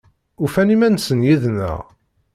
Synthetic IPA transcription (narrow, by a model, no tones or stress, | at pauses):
ufænimænsənjiðnə̰ʁ